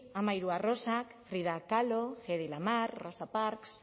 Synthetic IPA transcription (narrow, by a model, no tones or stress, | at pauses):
amaiɾuaro̞sakfɾiðakaloxeðilamarrosapaɾks